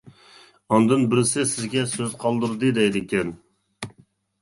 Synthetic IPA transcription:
ɑnd̪ɨnbɪɾɪsɪsɪzɡʲɛsøzqʰɑlˠd̪ɨɾd̪ɨd̪ɛjd̪ɪkʲɛn

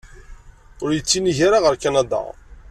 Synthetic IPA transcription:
ʊɾjət͡sːiniʝaɾaʁəɾkanad̪a̰

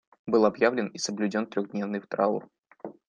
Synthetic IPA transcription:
bɨlˠɐbjavlʲɪnisəblʲʉdʲont̪ɾʲoɣdʲnʲe̞vnɨjft̪ɾaṵr

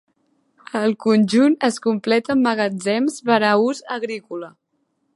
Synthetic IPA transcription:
əlˠkunʲd͡ʒunəskumplɛt̪əmːəɣəd͡zɛmzβəɾauzəɣɾikulə

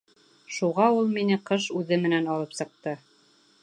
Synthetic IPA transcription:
ʃuʁɑulˠminɘqɤʃʉðɘmɘ̆nænɑlˠɤpsɤ̆q̚t̪ɤ

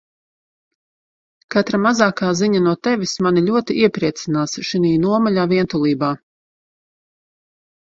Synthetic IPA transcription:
kat̪ɾamazaːkaːziɲanuɔt̪ɛʋʲismanilʲuɔt̪iʔiɛpɾiɛt̪sinaːsʃiniːnuɔmalʲaːviɛnt̪ulˠiːbaː

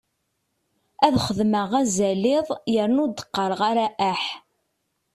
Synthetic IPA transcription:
æðχəðməʁæzælɪðˤjəɾnud̪ə̥qːɑɾʁaɾæʔæħ

